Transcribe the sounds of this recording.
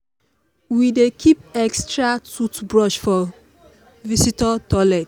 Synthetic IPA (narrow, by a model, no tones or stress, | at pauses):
widekʰip̚ɛkstɹatutbɹɔʃfɔ | visitɔtɔlɛt̚